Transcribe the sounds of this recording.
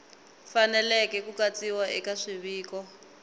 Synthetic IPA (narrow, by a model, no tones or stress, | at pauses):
fanɛlɛkɛkukat͡siwaʔɛkaʂiβiːkɔ